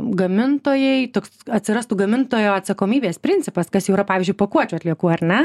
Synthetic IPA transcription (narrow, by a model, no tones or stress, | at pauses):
ɡɐmʲɪnt̪oːjɛɪt̪oːksɐt̪ʲsʲɪɾɐst̪uɡɐmʲɪnt̪oːjoːɐt̪sɐkoːmʲiːbʲeːspʲɾʲɪnʲt͡sʲɪpɐskɐsjɛʊiɾɐpɑːʋʲːzʲd͡ʒʊɪɪpɐkuɔt͡ʃʲuːɐt̪ʲlʲiɛkuːɐɾʲnʲɛ